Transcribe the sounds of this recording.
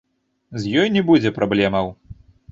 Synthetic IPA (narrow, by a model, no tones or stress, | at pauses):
zjɔjnʲɛbud͡zʲɛpɾablʲɛmɐw